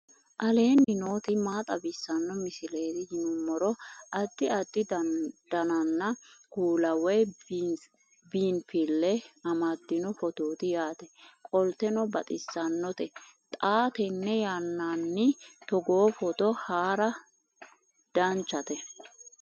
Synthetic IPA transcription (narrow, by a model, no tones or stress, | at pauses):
ʔɐle̞ːnɪno̞ːt̪ɪmaːt̪ʼɐbɪsːɐnːɔmɪsɪle̞ːt̪ɪjɪnʊmːɔɾɔʔɐd̪ːɪɐd̪ːɪd̪̥ɐnɐnːɐkuːlɐwɛj | biːnfɪlːɛɐmɐd̪ːɪnɔfɔt̪oːt̪ɪjaːt̪ɛkʼɔlt̪ɛnɔbɐt̪ʼɪsːɐnːɔt̪ɛt̪ʼaːt̪ɛnːɛjanːaːnːɪt̪ɔɡoːfɔt̪ɔhaːɾɐ | d̪̥ɐnt͡ʃːɐt̪ɛ